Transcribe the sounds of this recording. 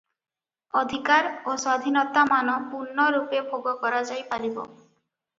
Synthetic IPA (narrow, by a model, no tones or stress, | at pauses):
ɔd̪ʱikaɾoswad̪ʱinɔt̪amanɔpuɾnːɔɾupebʱoɡɔkɔɾad͡ʒajpalibɔ̰